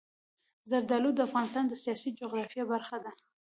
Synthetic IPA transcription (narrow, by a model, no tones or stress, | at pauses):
zaɾd̪ɑlud̪əafɣɑnɪst̪ɑnd̪əsijɑsid͡ʒoɣɾɑfjɑbaɾxad̪a